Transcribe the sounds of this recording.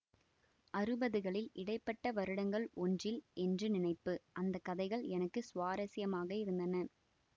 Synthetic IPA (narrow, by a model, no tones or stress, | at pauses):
ʔɐɾɯbɐðɯɣɐɭɪlɪɽɐɪpːɐʈːɐʋɐɾɯɽɐŋɡɐɭɔndrɪlʔɛndrɯnɪnɐɪpːɯʔɐnd̪ɐkːɐðɐɪɣɐɭɛnɐkːɯsʊʋaːɾɐsɪjɐmaːɣɐɪɾɯnd̪ɐnɐ